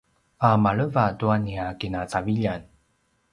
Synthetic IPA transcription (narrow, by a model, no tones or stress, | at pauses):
amaɭəvatuaniakinat͡saviʎan